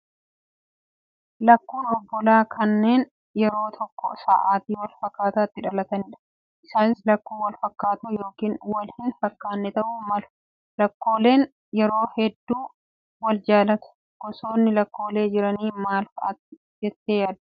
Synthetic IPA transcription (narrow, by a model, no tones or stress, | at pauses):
lɐkːuːnɔbːɔlaːkʰɐnːe̞ːn | jɛɾo̞ːt̪ʰɔkːɔ̰sa̰ːʔaːt̪iːwɐlfɐkːaːt̪aːt̪ːɪᶑɐlɐt̪ɐnɪːᶑɐ̥ | ʔɪsaːnɪslɐkːuːwɐlfɐkːaːt̪ujo̞ːkiːnwɐlhɪnfɐkːaːnːɛt̪ɐʔuːmɐlʊ̥ | lɐkːo̞ːle̞ːn | jɛɾo̞ːhɛd̪ːuː | wɐld͡ʒaːlɐt̪ʊ̥ | ɡ̥ɔso̞ːnːɪlɐkːo̞ːle̞ːd͡ʒɪɾɐniːmaːlkɐʔɐt̪ːɪ | d͡ʒɛt̪ːeːjaːd̪